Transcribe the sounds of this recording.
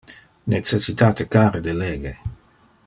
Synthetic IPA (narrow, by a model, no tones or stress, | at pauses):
net͡sesit̪aːt̪ekaːɾed̪eleːɡe